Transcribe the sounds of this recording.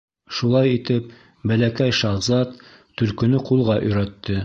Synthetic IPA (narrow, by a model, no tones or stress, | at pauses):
ʃulˠɑjit̪ɘp̚ | bælækæjʃɑʁzɑt̪ː | ɵ̆lkɵ̆nɵqulˠʁɑʔɵ̆jɾæt̪ːɘ